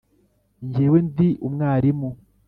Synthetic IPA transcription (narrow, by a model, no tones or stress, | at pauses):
ɲɟewendiʔumŋaːɾimu